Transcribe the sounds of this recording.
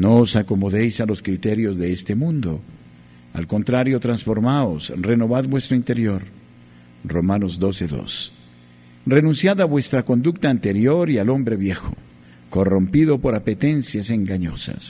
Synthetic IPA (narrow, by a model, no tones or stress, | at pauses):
noːsako̞mo̞ðe̞jsalo̞skɾit̪e̞ɾjo̞zðeest̪e̞mũnd̪o̞̰ | a̰lko̞nt̪ɾaɾjo̞t̪ɾansfo̞ɾmaosre̞no̞βaðbwe̞st̪ɾoint̪eɾjo̞ɾ | ro̞mano̞zd̪o̞se̞ðo̞̰s | re̞nũnsjaðaβwe̞st̪ɾako̞nd̪uk̚t̪aːnt̪e̞ɾjo̞ɾialo̞mbɾe̞βje̞xo | ko̞ro̞mpiðo̞po̞ɾapet̪e̞nsjase̞ŋɡaɲo̞̰sa̰s